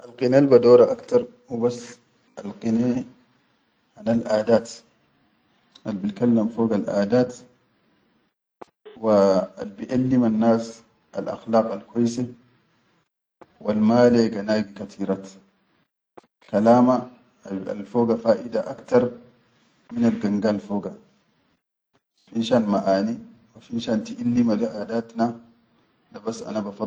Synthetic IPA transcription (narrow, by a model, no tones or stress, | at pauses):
ʔalqinelbad̪oːɾaʔakt̪ɑɾˤ | hubasː | alqine | hanalʔaːd̪aːt̪ | ʔalbinkalːamfoːɡalʔa̰ːd̪aːt̪ | waalbiʔalːimanːaːs | ʔa̰lʔa̰xlɑːqalkajse | walmaːleɡanaːɡikat̪ʰiːɾaːt̪ | kalaːma | a̰lfoːɡafaːʔid̪aʔakt̪ɑɾˤ | minalɡaŋɡalfoːɡa | finʃanmaʔaːniwafinʃaːnt̪iʔalːimad̪aʔaːd̪aːt̪na | labasːʔa̰nabafɑ